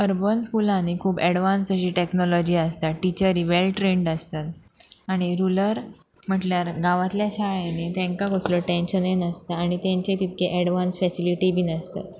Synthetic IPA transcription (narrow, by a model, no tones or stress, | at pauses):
əɾbənskulãnekʰuːbɛɽʋansəɕiːʈeknɔlɔd͡ʑiːəst̪aʈit͡ɕəɾiːʋelʈɾẽɳɖəst̪at̪aɽ̃iɾuləɾ | m̤əʈljaɾɡaʋat̪ljaɕaɭanet̪ɛ̃ŋkaɡosloʈẽnɕənenəst̪aaɽ̃it̪jãɲt͡ɕet̪it̪̚kʰeʔɛɽʋansfɛsiliʈibʱiːnəst̪a̰t̪